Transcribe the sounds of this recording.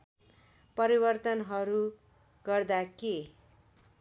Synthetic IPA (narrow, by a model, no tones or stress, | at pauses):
pʌɾibʌrt̪ʌnɦʌɾu | ɡʌrd̪ake